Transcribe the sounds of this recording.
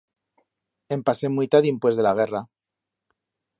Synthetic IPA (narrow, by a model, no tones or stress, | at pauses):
e̞mpase̞mwit̪aðimpwe̞zðe̞laɣ̞e̞ra